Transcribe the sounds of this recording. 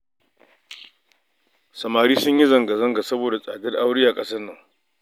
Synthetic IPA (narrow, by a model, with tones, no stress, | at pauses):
sɐ˨maː˨ɾiː˦sʊ˦ɲji˦zɐ˨ŋɡa˨zɐ˦ŋɡa˨sɐ˦boː˨da˨sʼaː˨dɐ˦rʔa˦wɽɪ˦jaː˨kʼɐ˦sɐ˦nːɐ˨ŋ